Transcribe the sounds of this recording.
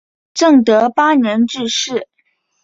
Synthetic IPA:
ʈ͡ʂɤ˥˩ŋt̪ɤ˧˥pa˥nɛ˧˥nʈ͡ʂɻ̩˥˧ʂɻ̩˥˩

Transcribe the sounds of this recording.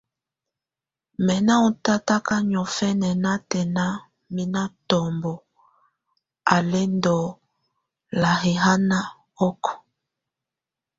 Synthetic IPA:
mɛ˨na˦u˨ta˦ta˦ka˦ɲɔ˨fɛ˦nɛ˨na˦tɛ˨na˦ | mi˦na˦tɔ˨mbɔ˨ | a˨le˦ndɔ˨ | la˨ɣe˨ɦa˦na˦ | ɔ˦kɔ̥˨

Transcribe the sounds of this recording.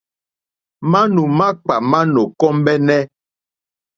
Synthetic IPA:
ma˦nu˨ma˦k͡pa˨ma˦no˨kɔ˦mbɛ˦nɛ˦

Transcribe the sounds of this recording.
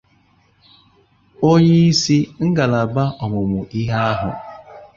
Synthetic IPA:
o˦ɲe˦i˦si˦ŋ̩˦ɡa˨la˨ba˦ʔɔ˨mʊ˨mʊ˨ʔi˦ɦa˦a˦ɦʊ̰˨

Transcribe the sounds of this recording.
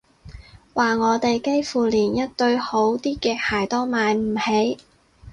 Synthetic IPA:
waː˨ŋɔː˨˧t̪e˨jke˥jfuː˨˩liː˨˩njɐ˥t̚t̪ɵ˧ɥho˨˥wt̪iː˥kɛː˨˧k̚haː˨˩jt̪ɔː˥maː˨˧jm̩˨˩he˨˥j

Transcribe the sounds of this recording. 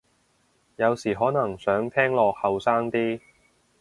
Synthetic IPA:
jɐ˨˧wsiː˨˩ɦɔː˨˥nɐ˨˩ŋsœː˨˥ŋt̪ʰɛː˥ŋlɔː˧k̚hɐ˨wsaː˥ŋt̪iː˥

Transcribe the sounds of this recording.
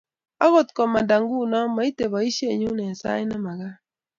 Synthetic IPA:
a˦ɣo˦˨tkɔ˨ma˨da˨ŋɡu˦nɔ˦ma˨i˦te˨βɔ˨i˦ʃe˦˨ɲu˦nɛ˨sa̰˦ɪ˦na˦ma˨ɣa˦

